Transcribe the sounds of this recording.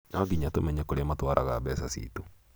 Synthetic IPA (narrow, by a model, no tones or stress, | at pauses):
nɔɡiɲatomɛɲɛkoɾeamatwaɾʔa̰ɣa̰bɛsasḭtu